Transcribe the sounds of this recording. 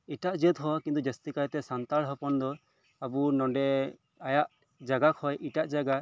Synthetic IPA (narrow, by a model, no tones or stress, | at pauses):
iʈaʔd͡ʒət̪ɦɔkint̪ud͡ʒɛst̪ikajt̪ɛsant̪aɽɦɔpɔnd̪ɔ | abunɔɳɖɛ | ajaʔ | d͡ʒaɡakʰɔjʔiʈaʔd͡ʒaɡa